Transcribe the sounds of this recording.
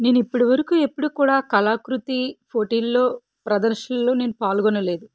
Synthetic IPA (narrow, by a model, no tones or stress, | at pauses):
ne̞ːnuipːuɽiʋɐɾɐkuːe̞pːuɽuːkuːɽaːkɐlaːkɾut̪ipʰoːʈiːlːo̞ː | pɾɐd̪ɐɾʃɐlːo̞ːne̞ːnupaːlɡɔnɐle̞ːd̪u